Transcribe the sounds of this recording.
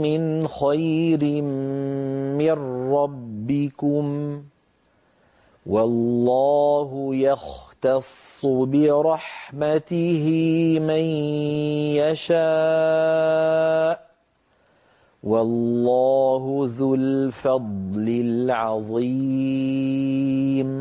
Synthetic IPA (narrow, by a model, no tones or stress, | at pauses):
mɪnxajɾɪmː | ɪnːɑbːɪkʊm | wɑlːɑːɦʊjɑxt̪ɑsːbɪɾˤɑħmat̪ɪhɪman | jaʃa | ʔ | wɑlːɑːhʊðʊlfɑd̪ˤlɪlʕɑðˤi | m